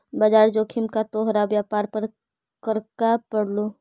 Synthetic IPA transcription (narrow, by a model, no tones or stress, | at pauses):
baːd͡ʒaːɾd͡ʒoːkʰɪmkat̪oːɦɾaʋjaːpaːɾpɐɾ | kəɾkapɐɽloː